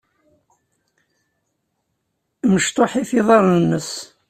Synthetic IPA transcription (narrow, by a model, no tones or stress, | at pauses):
məʃt̪ˤoħiθiðˤɑɾˤnənːəs